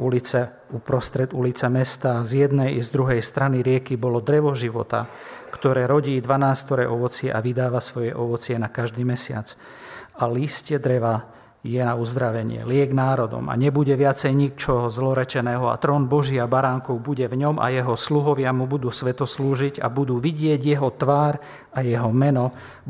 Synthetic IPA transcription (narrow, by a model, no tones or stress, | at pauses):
ulit͡sɛ | upɾɔst̪ɾɛd̪ulit͡sɛmɛst̪azjɛd̪nɛjzd̪ɾuɦɛjst̪ɾaniɾɪɛkibɔlɔd̪ɾɛʋɔʒiʋɔ̰t̪a̰ | kt̪ɔɾɛːɾɔɟiːd̪ʋanaːst̪ɔɾɛ̰ʔɔʋɔt͡sɪɛʔaʋid̪aːʋasʋɔjɛʔɔʋɔt͡sɪɛnakaʒd̪iːmɛsɪa̰t͡s | aliscɛd̪ɾɛʋa | jɛnauzd̪ɾaʋɛɲɪ̰ɛ̰lɪɛɡnaːɾɔd̪ɔ̰ma̰ɲɛbuɟɛʋɪat͡sɛjɲikt͡ʃɔɦɔzlɔɾɛt͡ʃɛnɛːɦɔa̰t̪ɾɔːnbɔʒiabaɾaːŋkɔʊbuɟɛvɲɔmʔa̰jɛɦɔsluɦɔʋɪamubud̪uːsʋɛt̪ɔsluːʒiɟa̰bud̪uːʋiɟɪɛɟjɛɦɔt̪ʋaːɾ | ajɛɦɔmɛnɔ